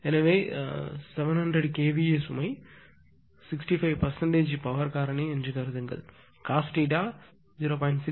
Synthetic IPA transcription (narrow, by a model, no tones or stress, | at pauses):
enɐʋeːseʋɐnɦɐɳɖɾeɖkeːbieːsumɐj | siksʈipʰɐjʋpɐɾsɐɳʈeːd͡ʒipɐʋɐɾkaːɾɐniend͡ʒikɐɾɐd̪ɐŋɡɐ̰l | kaːsʈiːʈaː | ziːɾoːpojɳʈsi